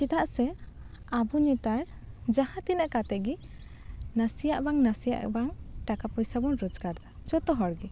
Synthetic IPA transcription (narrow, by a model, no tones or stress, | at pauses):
t͡ʃit̪aʔsɛabuɲɛt̪aɾ | d͡ʒahãt̪inəʔkat̪ɛʔɡi | nasijaʔbaŋnasija̰ʔbaŋʈakapɔjsabɔnɾɔd͡ʒkaɽd̪ad͡ʒɔt̪ɔɦɔɽɡi